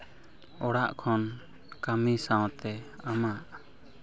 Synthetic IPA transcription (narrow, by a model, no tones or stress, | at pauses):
ɔɽaʔkʰɔn | kamisaw̃t̪ɛ | amaʔ